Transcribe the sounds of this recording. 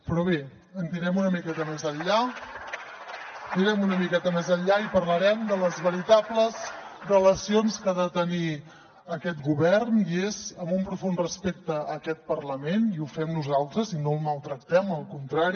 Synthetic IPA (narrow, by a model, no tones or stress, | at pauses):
pɾɔβe | ənt̪iɾɛmunəmikɛt̪əmezəʎːa | niɾɛmunəmikɛt̪əmezəʎʎaipərləɾɛmd̪ələzβəɾit̪apləzrələsionskaðət̪əni | əkɛt̪ɡuβɛrniezəmbumpɾufunrəspek̚t̪əːkɛt̪̚pərləmeniufɛmnuzalˠt̪ɾəzinolˠməlˠt̪ɾək̚t̪ɛməlˠkunt̪ɾaɾi